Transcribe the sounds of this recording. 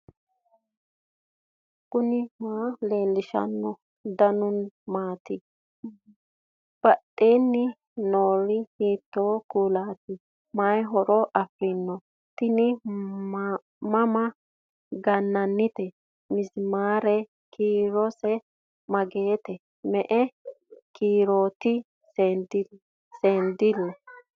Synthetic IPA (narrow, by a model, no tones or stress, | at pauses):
ɡʊnɪmaːle̞ːlːɪʃɐ̰nːɔ | d̪ɐnʊnmaːt̪ɪ | b̥ɐɗʼeːnːɪ | noːɾɪhiːt̪ːoːkuːlaːt̪ɪ | mɐjɦɔɾɔʔɐfɾɪnːɔ | t̪ɪnɪ | mɐmɐ | ɡɐnːɐnːɪt̪ɛ | mɪzmaːɾɛ | kʰiːɾɔsɛ | mɐɡeːt̪ɛ | mɛʔɛkʰiːɾoːt̪ɪ | sed̪ | seːnd̪ɪd̪ɔ